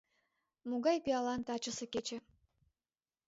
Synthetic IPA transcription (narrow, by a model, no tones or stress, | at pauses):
muɣɑjpiɑlɑnt̪ɑt͡ɕə̆sĕket͡ɕĕ